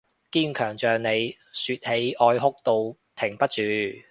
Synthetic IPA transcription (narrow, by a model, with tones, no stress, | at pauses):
kiː˥nkʰœː˨˩ŋt͡ʃœː˨ŋne˨˧j | syː˧t̚he˨˥jʔɔː˧jɦʊ˥k̚t̪o˧wt̪ʰɪ˨˩ŋpɐ˥t̚t͡ʃyː˨˧